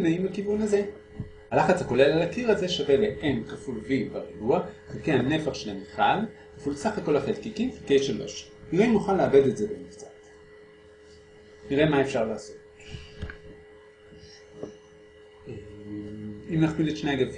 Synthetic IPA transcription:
naimbakivunaze̞ | halaχat͡shako̞le̞lalakiʁaze̞ʃave̞leʔemχafulvibaʁiɡuaχilkehane̞faχʃelamiχalχḁfulsaχako̞laχelkikimfikejʃelbo̰ʃ | niʁeimuχanleabe̞d̪etzebemivt͡sat | niʁemaefʃaʁlaːso̞t | e | imnaχmiletʃnejɡa

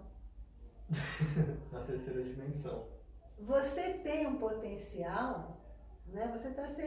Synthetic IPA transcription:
nɐt̪eɾsejɾɐd͡ʒimẽsɐ̃w̃ | voset̪ẽj̃ũpot̪ẽsiaw | nɛvoset̪asẽ

